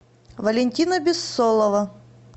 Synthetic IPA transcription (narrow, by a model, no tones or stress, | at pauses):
vɐlʲɪnʲtʲinəbʲɪsːolˠəvɐ